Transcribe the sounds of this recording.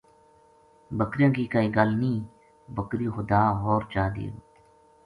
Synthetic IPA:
bəkɾijãːkiːkaiːɡalnĩː | bəkɾiːxʊd̪aːɦoːɾt͡ʃaːd̪ḭːo

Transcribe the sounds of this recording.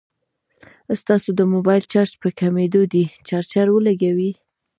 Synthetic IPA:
st̪ɑsod̪əmobɑjlt͡ʃɑɾt͡ʃpəkamed̪od̪it͡ʃɑɾt͡ʃaɾwəlaɡawi

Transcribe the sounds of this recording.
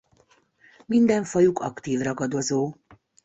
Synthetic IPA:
mind̪ɛɱfɒjukʰɒkt̪iːvrɒɡɒd̪o̞zoː

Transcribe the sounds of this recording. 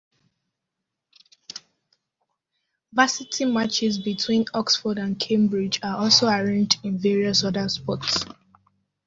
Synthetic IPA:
vasitʰimat͡ʃɪzbitʰwĩnɔksfɔdãnkʰẽmbɹid͡ʒaɔlˠsoaɹẽnd͡ʒdĩnvɛɹiɔsɔdəspɔts

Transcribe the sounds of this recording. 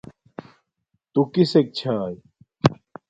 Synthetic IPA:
t̪ukisek̚t͡ɕʰaːj

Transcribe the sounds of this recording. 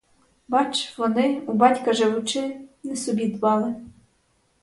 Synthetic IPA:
bɑt͡ʃʋɔnɪubɑtʲkɐʒeʋʊt͡ʃɪnɛsɔbʲid̪bɑlˠɪ

